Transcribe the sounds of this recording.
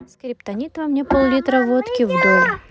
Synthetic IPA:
skɾʲɪpt̪ɐnʲit̪vɐmnʲepolˠlʲit̪ɾəvot̪kʲɪvd̪olʲˠ

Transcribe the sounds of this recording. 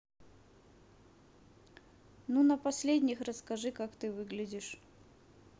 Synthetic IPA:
nunəpɐsʲlʲedʲnʲɪxrəskɐʐɨkakt̪ɨvɨɡlʲɪdʲɪʂ

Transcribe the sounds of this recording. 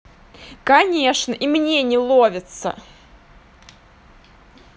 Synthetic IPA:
kɐnʲeʂnəʔimnʲenʲɪlˠovʲɪt̪sə̰

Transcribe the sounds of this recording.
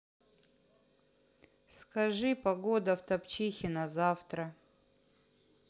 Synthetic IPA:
skɐʐɨpɐɡod̪ɐft̪ɐpt͡ɕixʲɪnɐzaft̪ɾə

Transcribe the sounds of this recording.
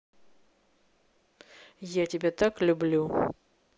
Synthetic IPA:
jatʲɪbʲet̪aklʲʊblʲu

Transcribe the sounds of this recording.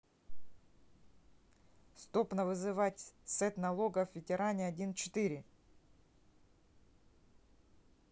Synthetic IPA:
st̪o̞pnəvɨzɨvatʲsɛt̪nɐlˠo̞ɡəvvʲɪtʲɪɾanʲɪɐdʲint͡ɕɪ̥t̪iɾʲɪ

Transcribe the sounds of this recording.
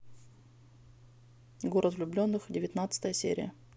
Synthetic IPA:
ɡoɾət̪vlʲʊblʲo̞nːɨxdʲɪvʲɪt̪nat̪sə̥t̪əjəsʲḛɾʲɪ̰jə̰

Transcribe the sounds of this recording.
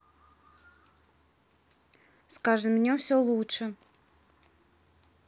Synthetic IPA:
skaʐɨmnʲefsʲolˠutʂə

